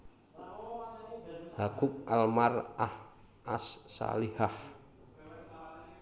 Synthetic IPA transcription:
hakʊk̚ʔalmarah | ʔasːa̰lihah

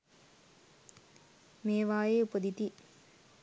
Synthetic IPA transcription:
meːʋaːjeupəd̪it̪i

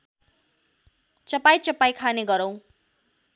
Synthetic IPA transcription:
t͡sʌpajt͡sʌpajkʰaneɡʌɾʌw̃

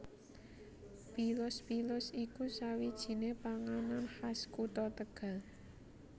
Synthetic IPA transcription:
b̥ilʊspilʊsikusawid̥ʒ̥i̤nepaŋananhaskut̪ɔt̪əɡ̥a̤

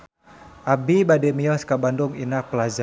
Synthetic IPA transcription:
ʔabibadɛmiɔskabanduŋinak̚pəlad͡ʒa

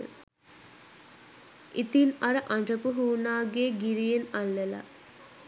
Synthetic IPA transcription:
ʔit̪inaɾəʔaɳɖ͡ʐəpuɦuːnaːɡeːɡiɾijenalːəla̰

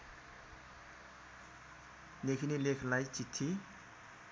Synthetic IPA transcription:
nekʰinilekʰlajt͡ɕit̪ʰːi

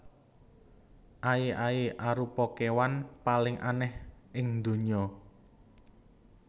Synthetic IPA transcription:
ʔaiʔaiʔaɾupɔkewanpalɪŋʔa̰nɛhʔɪŋd̪o̤ɲɔ

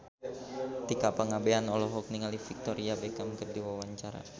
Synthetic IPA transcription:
t̪ikapaŋabeanɔlɔɦɔk̚niŋalifik̚t̪ɔɾiabekamkərdiwawaɲt͡ʃaɾa̰

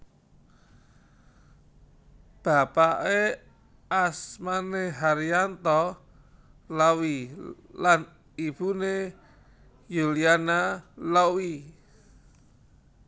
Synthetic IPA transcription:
b̥a̤paʔe | asmaneɦaɾiant̪ɔ | lawilan | ib̥une | julianalawi

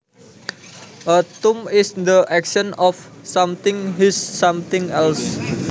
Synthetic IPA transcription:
ʔət̪umɪsd̪əʔɛkʃənɔf | samt̪ɪŋɦisːamt̪ɪŋɛls

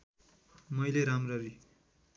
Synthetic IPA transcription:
mʌjleɾamrʌɾi

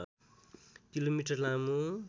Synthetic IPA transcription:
kilomiʈʌrlamu

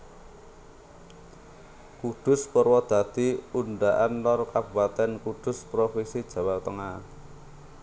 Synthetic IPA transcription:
kud̪̥ʊ̤spɔrwɔd̪̥a̤d̪̥i̤unɖaʔanlɔrkabubat̪ɛnkud̪̥ʊ̤spɾofisid̥ʒ̥ä̤wat̪əŋa

